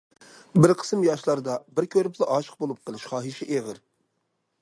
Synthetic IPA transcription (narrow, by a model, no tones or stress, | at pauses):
bɪɾqʰə̥smjɑʃlˠɑɾd̪ɑbɪɾkʲʰøɾɪplˠɑʔɑʃə̥q̚bolˠup̚qʰəlˠɨʃχɑːɦɨʃiʔevɪɾ